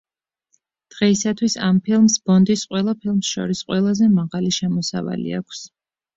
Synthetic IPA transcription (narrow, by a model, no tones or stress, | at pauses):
d̪̥ʁɛisat̪ʰwisampʰilˠmsbɔnd̪isqʼwɛlˠapʰilˠmsʃɔ̰ɾisqʼwɛlˠazɛmaʁaliʃɛmɔsa̰va̰lḭa̰kʷʰs